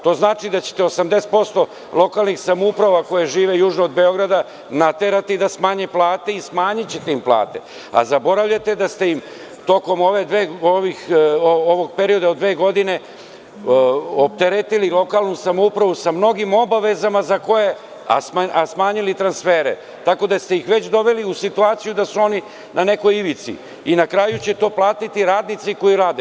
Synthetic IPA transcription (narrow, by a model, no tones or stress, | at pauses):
t̪o̞ːznaːt͡ʃid̪at͡ɕe̥t̪eosamd̪e̞se̥t̪̚po̞st̪o̞ | lˠo̞kalˠnixsamoupɾaʋako̞jeʒiːʋe̞juːʒnoːd̪be̞o̞ɡɾad̪a | nat̪eɾat̪id̪asmaːɲeplˠaːt̪e̞ismaːɲit͡ɕet̪eimplˠa̰ːt̪e̞̰ | a̰zabo̞ɾaʋʎat̪e̞d̪ast̪e̞im | t̪o̞ko̞mo̞ʋe̞d̪ʋeːoʋixooʋoɡ̚peɾio̞d̪aod̪ʋeːɡo̞d̪ine̞ | op̚t̪eɾet̪ililˠo̞kalˠnusamoupɾaʋusamno̞ɡimo̞baʋe̞zamazako̞je̞ | a̰smaasmaːɲilit̪ɾansfeːɾḛ | t̪ako̞d̪ast̪ejixʋe̞t͡ɕd̪o̞ʋe̞liusit̪uaːt̪sijud̪asuo̞ni | nʔane̞ko̞jiʋit̪sḭ | inakɾaːjut͡ɕe̞t̪o̞ːplˠaːt̪it̪iɾaːd̪nit̪siko̞jiɾaːd̪e